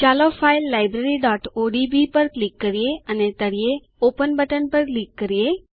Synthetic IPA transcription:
t͡ʃalofailːajbɾeɾiɖɔʈoɖibipəɾklikːəɾijeənet̪əɽije | opənbəʈənpəɾklikːəɾije

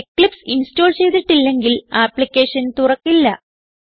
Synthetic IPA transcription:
kːɭipsinsto̞ːlt͡ɕe̞jt̪ːiʈːilːe̞ŋɡilaːpːlikʲːe̞ːʂɐnt̪urɐkːilːɐ

